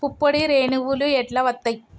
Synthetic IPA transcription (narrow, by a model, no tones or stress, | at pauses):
pupːɐɽiɾeːɳɯʋuluɛʈlɐʋɐt̪ːɐɪ